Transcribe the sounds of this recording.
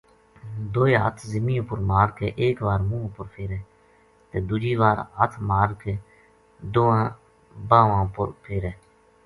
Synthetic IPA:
d̪oːeːɦə̰t̪ʰzɪmĩːõːpʊɾmaːɾkeːʔeːkʋaːɾmũːpʊɾpʰeːɾɛː | t̪eːd̪ʊd͡ʒiːʋaːɾɦət̪ʰmaːɾkeː | d̪oːãː | bãːʋãːpʊ̰ɾpʰeːɾɛː

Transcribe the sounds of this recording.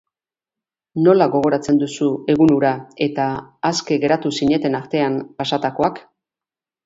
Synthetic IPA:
no̞laɣo̞ɣ̞o̞ɾat͡se̞nd̪usue̞ɣunuɾae̞t̪aːske̞ɣe̞ɾat̪usiɲe̞t̪e̞naɾt̪e̞ampasat̪ako̞ak

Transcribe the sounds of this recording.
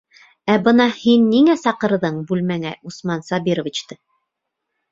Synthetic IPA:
æbɤnɑhinːiŋæsɑqɤ̆ɾðɤɴbʉlmæŋæʔusmɑnsɑbiɾovʲit͡ɕt̪ɤ

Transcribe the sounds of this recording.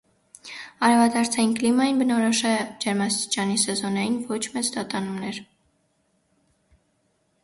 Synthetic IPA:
ɑɾɛvɑd̪ɑɾt͡sʰɑjinklimɑjinbənɔɾɔʃɛd͡ʒɛɾmɑst̪i̥t͡ʃɑnisɛzɔnɑjinvɔt͡ʃʰmɛt͡sd̪ɑt̪ɑnumnɛɾ

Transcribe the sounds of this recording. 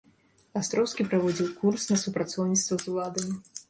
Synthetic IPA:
ast̪ɾɔwskʲipɾavɔd͡zʲiwkursnɐsupɾat̪sɔwnʲit̪st̪vɐzulˠad̪ɐmʲi

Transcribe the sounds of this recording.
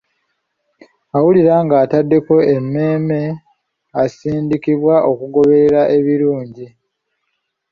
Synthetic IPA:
awuliɾaŋɡaːtadːe̞ko̞emːe̞ːme̞ | asiːndikiβwaʔo̞kuɡo̞βe̞ɾeɾaʔe̞βiɾuːɲɟi

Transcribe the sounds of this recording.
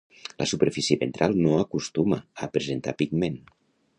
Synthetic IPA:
lʔə̰supəɾfisiəβḛnt̪ɾʔalˠnoakust̪umaəpɾezent̪a̰pikmen

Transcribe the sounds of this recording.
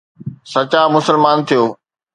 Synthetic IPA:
sɐt͡ɕaːmʊsəlmaːnt̪ʰijoː

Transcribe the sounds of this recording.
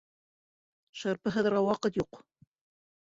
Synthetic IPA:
ʃɑɾpɤ̆ɦæðəɾʁɑwɑqɤt̪juq

